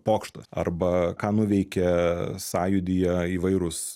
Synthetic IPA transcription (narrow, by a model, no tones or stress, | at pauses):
poːkʃt̪ɐsɐ̰rbɐkɑːnʊʋʲɛɪkʲɛsɑːjʊd̪ʲijɛiːʋɐɪɾʊs